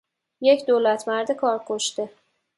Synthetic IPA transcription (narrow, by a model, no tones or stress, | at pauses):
jekʲd̪olat̪maɾd̪ɪkʰɒɾkʰoʃt̪ɪ